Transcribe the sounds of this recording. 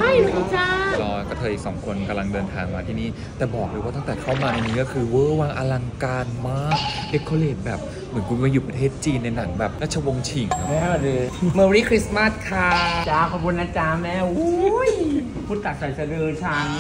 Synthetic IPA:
a˥˩jʰa˧t͡ɕʰa˧˥˩lɔː˧˥˩kɔ˥˩t̪ʰɤː˧jisɔː˩˦ŋkʰo˧nka˧mla˧ŋdɤː˧nt̪ʰaː˧ŋmaː˧t̪ʰiː˥˩niː˦˥˩ | t̪ɛː˨˩bɔː˨˩k̚doː˧waː˥˩a˥˩ŋt̪ɛː˨˩kʰa˥˩wmaː˧na˧niː˦˥kɔ˥˩kʰɯː˧wɤː˧˥˩waː˧ŋʔa̰ː˧la˧ŋkaː˧nmaː˦˥˩k̚de˧˥kʰːoː˧leː˨˩t̪̚bɛː˨˩p̚ | mɯ˩˦nkʰu˧nmaː˧juː˨˩pɾa˧t̪ʰeː˥˩t̪̚t͡ɕiː˧nːa˧jna˩˦ŋbɛː˨˩p̚ɾaː˥˩t͡ɕʰa˧wo˧ŋt͡ɕʰi˨˩ŋkʰa˦˥mɛ˥˩˨e˧məː˧ɾiː˥˩kʰɾi˦˥sma˥˩s̚kʰa˧˥˩t͡ɕaː˧˩kʰɔ˧pʰu˧nʔa˧t͡ɕaː˧mːɛː˥˩wj | pʰuː˦˥˩t̪ːa˨˩t̪̚sa˨˩jsa˧dɤː˧t͡ɕʰaː˧

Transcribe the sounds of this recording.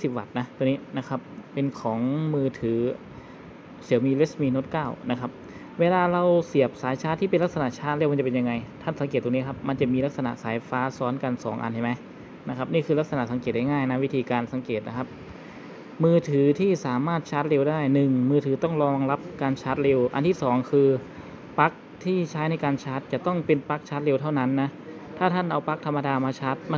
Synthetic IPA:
si˨˩p̚wa˨˩t̪̚na˦˥t̪u˧niː˦˥na˦˥kʰa˦˥p̚ːe˧nkʰɔː˩˦ŋmɯː˧t̪ʰɯː˩˦ | si˨˩˦wmiː˧le˦˥smiː˧no˦˥t̪̚kaː˥˩wna˦˥kʰa˦˥p̚ | weː˧laː˧ɾa˧wsi˨˩əp̚saː˨˩˦jt͡ɕʰaː˦˥t̪ʰːiː˥˩pe˧nla˥k̚sa˧na˨˩ʔt͡ɕʰaː˦˥t̪̚le˧˩wm˧nt͡ɕa˨˩pe˧nja˧ŋa˧jt̪ʰa˥˩nsa˩˦ŋke˨˩t̪ːniː˦˥˩kʰa˦˥p̚ma˧nt͡ɕa˨˩miː˧la˦˥k̚sa˧na̰˨ʔsaː˩˦jfaː˦˥sɔː˦˥nka˧nsɔ̰ː˩˦ŋʔa̰˧ntʰa˥˩jma˦˥j | na˦˥kʰa˦˥p̚niː˥˩kʰɯː˧la˦˥k̚sa˧na˨˩ʔsa˩˦ŋkeː˨˩t̪̚a˥˩jŋaː˥˩jna˦˥wi˦˥t̪ʰiː˧kaː˧nsa˩˦ŋkeː˨˩t̪̚na˦˥kʰa˦˥p̚ | mɯː˧t̪ʰɯː˩˦t̪ʰiː˥˩saː˨˩˦maː˥˩t̪̚t͡ɕʰa˦˥t̪̚ɾe˧wdaː˥˩jnɯ˨˩ŋmɯː˧t̪ʰɯː˩˦t̪ɔ˥˩ŋɾɔː˧ŋla˦˥p̚kaː˧nt͡ɕʰa˦˥t̪̚le˧wʔa̰˧nt̪ʰiː˥˩sɔː˩˦ŋkʰɯː˧ | pa˦˥k̚t̪ʰiː˥˩t͡ɕʰaː˦˥jna˧jkaː˧nt͡ɕʰaː˦˥t̪̚t͡ɕa˨˩t̪ɔ˥˩ŋpe˧npa˦˥k̚t͡ɕʰaː˦˥t̪̚le˧wt̪ʰa˥˩wna˦˥nːa˦˥ | t̪ʰaː˥˩t̪ʰa˥˩nʔa˧wpa˦˥k̚t̪ʰa˧mːa˧daː˧maː˧t͡ɕʰa˦˥t̪̚ma˧

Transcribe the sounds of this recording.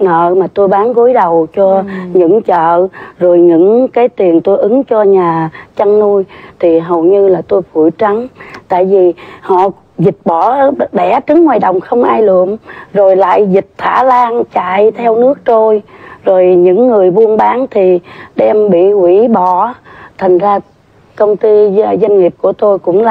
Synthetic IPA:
nə̰ː˧˨maː˨˩t̪o˧jɓaː˨˦nku˨˦jɗə˨˩wt͡ɕɔ˧ɲɨ̰˧˥ŋt͡ɕə̰ː˧˨zo˨˩jɲɨ̰˧˥ŋkaː˨˦jt̪i˨˩ənt̪o˧jʔɨ˨˦ŋt͡ɕɔ˧ɲaː˨˩t͡ɕa˧ŋnu˧əjt̪ʰi˨˩ɦə˨˩wɲɨ˧laː˨˩t̪o˧jfu˧˩jt͡ɕa˨˦ŋt̪a̰ː˧˨jvi˨˩hɔ̰˧˨ | zï˨˩t̚ɓɔ˧˩˨ɗɛ˧˩˥t͡ɕɨ˨˦ŋːwaː˨˩jɗə̰˨˩wŋ͡mxə˧wŋ͡mʔaː˧jlɨ̰˧˨əŋzo˨˩jla̰ː˧˨jzï˨˩t̚t̪ʰa̰ː˧˩laː˧ŋt͡ɕa̰ː˧˨jt̪ʰɛ˧wnɨ˦˥ək̚t̪o˧jzo˨˩jɲɨ̰˧˥ŋːɨ˨˩əjɓu˧ənɓaː˨˦nt̪ʰi˨˩ɗɛ˧mɓḭ˧˨hwi˧˩˥ɓɔ˧˩t̪ʰə˨˩ŋzaː˧ | kə˧wŋ͡mt̪i˧˨zə˧nŋi˨˩əp̚ku˧˩ət̪o˧jkʊ̰˧˥ŋ͡ml

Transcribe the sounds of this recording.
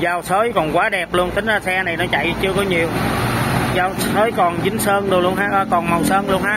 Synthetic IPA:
zaː˧˩wsəː˨˦jkɔ˨˩nkwaː˨˦ɗɛ˨˩p̚lu˧ənt̪ï˨˦ŋ̟zaː˨˩sɛ˧na˨˩jnɔ˨˦t͡ɕa̰˧˨jt͡ɕɨ˧əkɔ˨˦ɲi˨˩əw | zaː˧˩wsəː˨˦jkɔ˨˩nzï˨˦ŋsəː˧nlɨ˨˩nlu˧ənhɦaː˨˧˥ʔkɔ˨˩nma˨˩wsəː˧nlu˧ənɦaː˨˧˥

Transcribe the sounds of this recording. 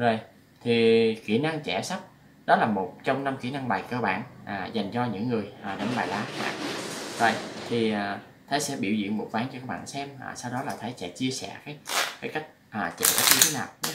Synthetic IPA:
zo˨˩j | t̪ʰi˨˩kḭ˧˩na˧ŋt͡ɕɛ˧˩sa˦˥p̚ | ɗɔ˨˦laː˨˩mo˨˩t̚t͡ɕɔ˧wŋ͡mna˧mki˧˩na˧ŋɓaː˨˩jkəː˧ɓa̰ː˧˨nʔaː˨˩za˨˩jŋ̟t͡ɕɔ˧ɲɨ̰˧˥ŋːɨ˨˩əjʔaː˨˩ɗə˨˧˦ŋɓaː˨˩jlaː˨˦ma̰ː˧˨˩zo˨˩jt̪ʰi˨˩ | t̪ʰəː˨˦jsɛ̰˧˥ɓḭ˧˩wzḭ˧˨əŋmo˨˩t̚vaː˨˦nt͡ɕɔ˧kaː˦˥k̚ɓa̰ː˧˨nsɛ˧ma̰ː˨˩saː˧wɗɔ˨˦laː˨˩t̪ʰə˨˦jsɛ̰˧˥t͡ɕi˧əsɛ̰˧˩kaː˨˦jkaː˨˦jka˦˥jk̟̚ʔaː˨˩t͡ɕɛ̰˧˩ka˦˥k̚ɲɨ˧t̪ʰe˨˦naː˨˩w

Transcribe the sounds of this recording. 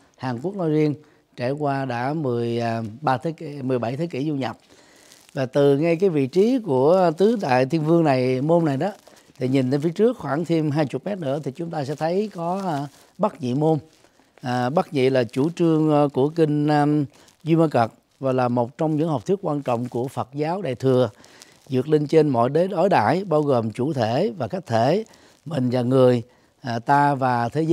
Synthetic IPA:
haː˨˩ŋku˦˥ək̚nɔ˧jzi˧ən | t͡ɕe˧˩kwaː˧ɗa̰ː˧˥mɨ˨˩əjɓaː˧t̪ʰːmɨ˨˩əjɓa˧˩jt̪ʰəː˨˦kḭ˧˩zu˧ɲa˨˩p̚ | vaː˨˩t̪ɨ˨˩ŋa˧jkaː˨˦jvḭ˧˨t͡ɕi˨˦ku˧˩ət̪ɨ˨˦ɗ̪a̰ː˧˨jt̪ʰi˧ənvɨ˧əŋna˨˩jmo˧mna˨˩jɗɔ˨˦ | t̪ʰi˨˩ɲi˨˩nt̪e˧nfi˨˦ət͡ɕɨ˦˥ək̚xwaː˧˩ŋt̪ʰi˧mɦaː˧jt͡ɕʊ˨˩k̚mɛ˦˥t̚nɨ̰˧˥ət̪ʰi˨˩t͡ɕʊ˨˦ŋ͡mt̪aː˧sɛ̰˧˥t̪ʰə˨˦jkɔ˨˦ | ɓa˦˥t̚ɲḭ˧˨mo˧mː˨˩ | ɓa˦˥t̚ɲḭ˧˨laː˨˩t͡ɕu˧˩t͡ɕɨ˧əŋku˧˩əkï˧ŋ̟˧ | zi˧ma˧kə˨˩k̚ | vaː˨˩laː˨˩mo˨˩t̚t͡ɕɔ˧wŋ͡mɲɨ̰˧˥ŋhɔ˨˩k͡p̚t̪ʰɨ˦˥ək̚kwaː˧nt͡ɕɔ̰˧˨wŋ͡mku˧˩əfə˨˩t̚zaː˨˦wɗa̰ː˧˨jt̪ʰɨ˨˩ə | zɨ˨˩ək̚li˧ŋt͡ɕe˧nmɔ̰˧˨jɗe˨˦ɗɔ˧˦jɗa̰ː˧˩˨jɓaː˧wɣoː˨˩mt͡ɕu˧˩t̪ʰe˧˩˨vaː˨˩ka˦˥k̚t̪ʰe˧˩˨ | mï˨˩ŋ̟zaː˨˩ŋɨ˨˩əj | t̪aː˧vaː˨˩t̪ʰe˨˦

